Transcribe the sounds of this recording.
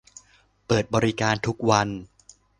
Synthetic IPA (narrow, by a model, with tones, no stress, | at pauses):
pɤː˨˩t̪̚bɔː˧ɾi˦˥kaː˧nt̪ʰu˦˥k̚wa˧n